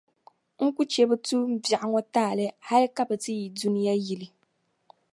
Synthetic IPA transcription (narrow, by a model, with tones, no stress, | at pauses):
ŋ̩˦ku˦t͡ʃɛ˦bɨ˦tu˦m̩˦bja˨ʔa˦ŋɔ˦taː˦˨lɨ˦ha˦li˦ka˦bɨ˨tɨ˦ji˨du˦ni˦ja˦ji˨li˨